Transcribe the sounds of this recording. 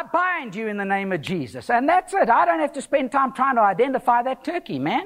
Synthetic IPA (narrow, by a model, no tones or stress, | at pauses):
bãɪ̃nd͡ʒɨɨ̃nðɨnẽɪ̃mʌvd͡ʒizɨ̰sɨ̃nðætsɪtaɪɾõʊ̃nthæftɨspɛ̃ntʰãɪ̃mtʰɹ̥aɪɪ̃ŋtʰəaɪdɛ̃ntɨfaɪðɨtʰɜkimæ̃n